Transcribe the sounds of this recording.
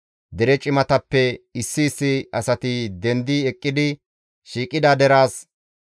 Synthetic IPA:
d̪ɛɾɛt͡ʃʼɪmɐt̪ɐpːɛɪsːɪːsːɪɐsɐt̪ɪd̪ɛnd̪iɛkʼːɪd̪ɪ | ʃiːkʼɪd̪ad̪ɛɾaːs

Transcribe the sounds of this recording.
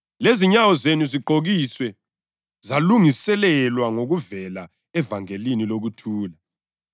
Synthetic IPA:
leziɲawɔzenuziǃʱoɣiswɛ | zaluŋisɛlɛlwaŋoɣuvɛla | ɛvaŋeliniloɣutʰuːla

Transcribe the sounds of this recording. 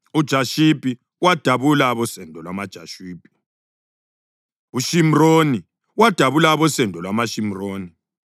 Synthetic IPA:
ud̥ʒ̥ʱaʃipʼi | wad̥ʱaβulaβɔsɛndʱɔlwamad̥ʒ̥ʱaʃiːpʼi̥ | uʃimroni | wad̥ʱaβulaβɔsɛndʱɔlwamaʃim̩roːni

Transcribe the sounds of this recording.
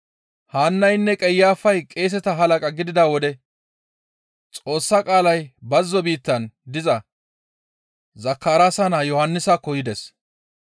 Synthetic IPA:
haːnːɐjnːɛkʼɛjːaːfɐjkʼe̞ːs̬ɛt̪ɐɦɐlɐkʼɐɡɪd̪ɪd̪aːwɔd̪ɛ | t͡sʼo̞ːsːakʼaːlɐjbɐzːɔbiːt̪ːɐnd̪ɪzɐ | zɐkːaːɾaːsɐnaːjɔhɐnːɪsakːɔjɪd̪ɛs

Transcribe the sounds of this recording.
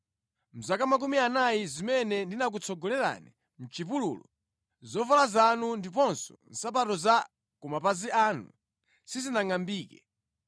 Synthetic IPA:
m̩zakamak̬umianajizimɛnɛndinak̬ut͡sʰɔɡɔlɛɾa̰ni | m̩t͡ʃipulṵːlɔ̰ | zɔvalazanundip̬ɔnsɔ̰n̩sap̬atɔza | kumapaziaːnṵ | sizinaŋambiːkɛ

